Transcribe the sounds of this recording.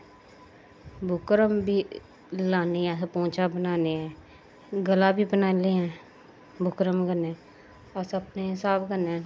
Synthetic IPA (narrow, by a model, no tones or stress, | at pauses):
bʱʊkɾəmbʱiː | laːneːɛ̃ːpõːt͡ʃaːbənaːneːɛ̃ː | ɡəlaːbiːbənaːleːɛ̃ː | bʱʊkɾəmɡənɛː | əsəpneːɪsaːbkənː